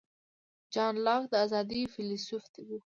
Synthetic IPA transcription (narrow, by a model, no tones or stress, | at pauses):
d͡ʒɑnlɑkd̪əazɑd̪ifilisufd̪ebu